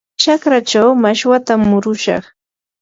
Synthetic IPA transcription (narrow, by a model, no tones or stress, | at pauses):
t͡ʃakɾat͡ʃawmaʃwat̪amːʊɾʊʃɑ̰χ